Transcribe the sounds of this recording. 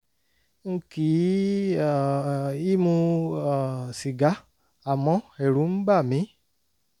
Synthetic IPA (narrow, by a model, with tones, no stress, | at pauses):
ŋ̩˦ki˨˦˨ | i˦mũ˧˨ | si˨ɡa˨˦ | a˨mɔ̃˨˦e˨ɾu˨˦m̩˦ɡ͡ba˦˨mĩ˨˦